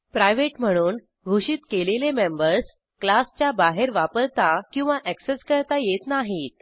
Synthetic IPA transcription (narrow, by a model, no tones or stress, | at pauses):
pɾajʋeʈm̤əɽ̃uːn | ɡʱuɕiːt̪kelelemembəɾs | klast͡ɕjabaɦeɾʋapəɾt̪akĩw̃ʋaʔækseskəɾt̪ajet̪naɦiːt̪